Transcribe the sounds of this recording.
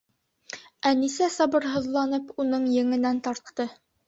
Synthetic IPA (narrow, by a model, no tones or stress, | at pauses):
ænisæsɑbɤ̆ɾɦɤ̆ðlˠɑnɤpunɤɴjɘ̆ŋɘ̆nænt̪ɑɾt̪ːɤ